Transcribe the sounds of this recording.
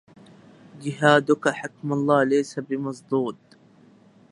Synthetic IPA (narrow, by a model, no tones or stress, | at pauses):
d͡ʒɪɦaːd̪ʊkaħakmalˤːɑːlajsabɪmɑs̬ˤd̪uːd̪̚